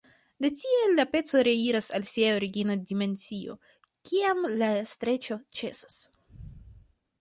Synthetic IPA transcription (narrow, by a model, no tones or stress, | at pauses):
de̞tie̞lːape̞t͡so̞ɾe̞iɾasalsiaoɾiɡinadime̞nt͡sio̞̰ | kiamlastɾe̞t͡ʃo̞t͡ʃe̞sḁs